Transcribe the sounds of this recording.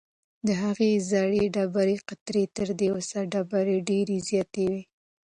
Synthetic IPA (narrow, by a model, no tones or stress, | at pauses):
d̪əɦaɣezaɽeɖabaɾeqat̪ɾet̪əɾd̪ewəsaɖabaɾeɖeɾezjɑt̪ewi